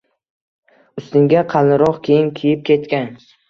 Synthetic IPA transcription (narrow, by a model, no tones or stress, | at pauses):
ʊst̪ɪŋɡʲaqʰɑlˠnɪɾɒqkʲʰejɪnkʲʰijɪp̚kʲʰe̞t̪kʲan